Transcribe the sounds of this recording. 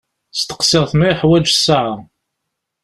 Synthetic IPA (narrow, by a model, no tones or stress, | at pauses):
st̪ə̥qsɪʁˤθmiħwæd͡ʒsːaʕa